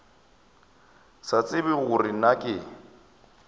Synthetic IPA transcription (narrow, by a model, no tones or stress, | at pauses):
sat͡sʼɪbɪɣʊrɪnakʼɪ